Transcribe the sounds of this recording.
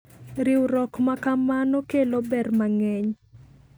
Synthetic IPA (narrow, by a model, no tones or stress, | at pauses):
ɾɪwɾɔkmakamanokelobɛrmaŋɛɲ